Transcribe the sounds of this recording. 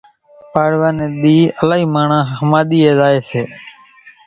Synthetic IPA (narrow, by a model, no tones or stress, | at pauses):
paːɽʋaːneːɗ̪iːəlaːɦiːmaːɳãːhəmaːɗ̪iːeːzaːeːseː